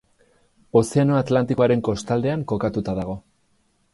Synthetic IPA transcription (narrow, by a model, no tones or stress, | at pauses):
o̞se̞ano̞at̪lant̪iko̞aɾe̞ŋko̞st̪ald̪e̞aŋko̞kat̪ut̪aðaɣ̞o̞